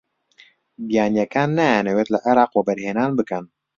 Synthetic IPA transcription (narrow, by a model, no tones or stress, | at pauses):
bjaɲjakanːɛnɛwɛt̪laʔaɾakwɔbɛɾhɛnanbəkan